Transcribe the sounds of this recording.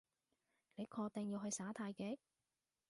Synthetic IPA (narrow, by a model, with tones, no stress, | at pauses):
ne˨˧jkʰɔː˧k̚t̪ɛ˨ŋji˧wɦɵ˧ɥsaː˨˥t̪ʰaː˧jke˨˥j